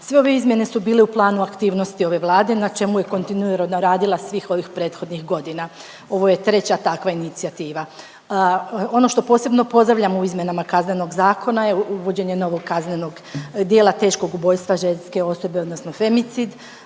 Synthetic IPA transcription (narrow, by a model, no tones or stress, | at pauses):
sʋe̞o̞ʋe̞izmje̞ne̞subiːle̞uplˠaːnuakt̪iːʋno̞st̪io̞ʋe̞ʋlˠaːd̪e̞nat͡ʃe̞muje̞ko̞nt̪inuiɾonoɾaːd̪ilˠasʋiːxo̞ʋixpɾeːt̪xo̞d̪nixɡo̞d̪ina | o̞ʋo̞je̞t̪ɾe̞t͡ɕat̪akʋainit̪siat̪iːʋa | o̞no̞ʃt̪o̞po̞ːse̞bno̞po̞zd̪ɾaʋʎamuizmʲje̞namakazne̞no̞ɡzaːkʰo̞najeuʋo̞d͡ʑe̞ɲe̞no̞ʋo̞ɡkazne̞no̞ɡ | d̪je̞ːlˠat̪e̞ːʃko̞ɡubo̞jst̪ʋaʒe̞nske̞o̞so̞be̞od̪nosno̞fe̞mit̪sid̪